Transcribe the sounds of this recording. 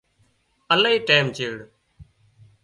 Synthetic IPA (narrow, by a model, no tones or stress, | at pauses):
əlaiːʈeːmt͡ʃeːɽ